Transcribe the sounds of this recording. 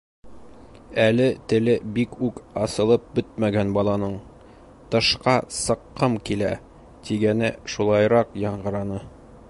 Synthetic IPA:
ælɘt̪ɘ̆lɘbikʉkɑsɤ̆lˠɤp̚bɵt̪̚mæɡænbɒlˠɑnɤɴ | t̪ɤ̆ʃqɑsɤ̆qːɤmkilæ̰ | t̪iɡænɘʃulˠɑjɾɑqjɒɴɢɤ̆ɾɑnɤ

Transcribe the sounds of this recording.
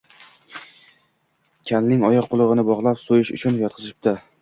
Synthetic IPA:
kʲʰalnɪŋɒjɒqʰːʊlˠɨʁɨnɪbɒʁlˠapsojɪʃʊ̰t͡ʃʰʊnjɒt̪̚qʰɨzɪ̥p̚t̪ɪ

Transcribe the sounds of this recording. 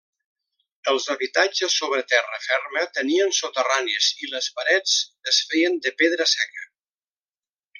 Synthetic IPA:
əlˠzəβit̪ad͡ʒəsːoβɾət̪ɛrə̰fɛrmət̪əniənsot̪əraniəziləspəɾɛt͡səsfɛjənd̪əpeðɾəsɛkə

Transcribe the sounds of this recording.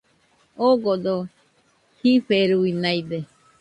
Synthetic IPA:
oɡod̪o | hiɸeɾuinaid̪e

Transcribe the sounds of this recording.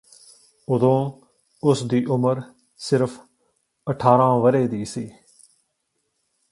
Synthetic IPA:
ʊd̪õː | ʊsd̪iːʔʊməɾ | sɪɾf | əʈʰaːɾãːʋəɾeːd̪iːsiː

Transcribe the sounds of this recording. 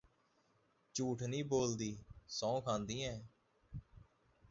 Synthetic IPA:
t͡ʃuːʈʰnĩːboːld̪iːsɔ̃ːkʰãːnd̪ĩːɛ̃ː

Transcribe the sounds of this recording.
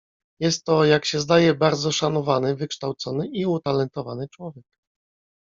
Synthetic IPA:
jɛst̪ːɔjakɕɛzd̪ajɛbaɾd̪zɔʂanɔvanɘvɘkʂt̪awt̪sɔnɘʔiut̪alɛnt̪ɔvanɘt͡ʂwɔvʲjɛk̚

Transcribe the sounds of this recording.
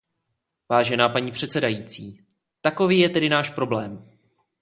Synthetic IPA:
vaːʒɛnaːpaɲiːpr̝̥ɛt̪t͡sɛdajiːt͡siː | t̪ako̞viːjɛt̪ɛdɪnaːʃpɾo̞blɛːm

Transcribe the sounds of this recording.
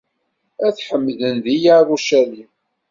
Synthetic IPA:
æθħəmːðənðijarˤuʃæli

